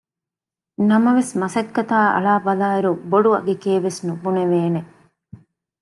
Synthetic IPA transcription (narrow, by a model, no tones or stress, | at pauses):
nɐmɐʋesmɐsɐkːɐt̪aːʔɐ̰ɭaːbɐlaːiɾuboɖuɐ̰ɡekeːʋesnubuneʋeːne